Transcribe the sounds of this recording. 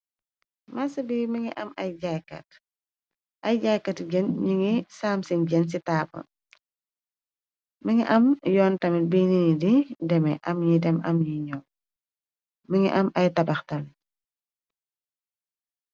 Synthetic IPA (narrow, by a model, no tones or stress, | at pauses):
masɐbiməŋiʔɐmɐjɟajkɐ̰t | ʔɐjɟajkɐtɟənɲiŋisaːmsinɟɛns̬itaːbɐ̰n | məŋiʔɐmjɔːntɐmibininididɛmɛʔɐmjidɛmɐmjiɲɔ | məŋiʔɐmɐjtɐbɐxtɐm